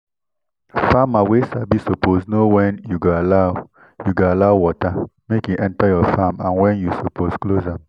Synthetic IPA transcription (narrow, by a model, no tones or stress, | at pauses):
famaweʃabisoposnowɛ̃njuɡoala | juɡoalaʊwɔtamekjuʔɛ̃ntajɔfamãnwɛ̃njusopʰosklozãm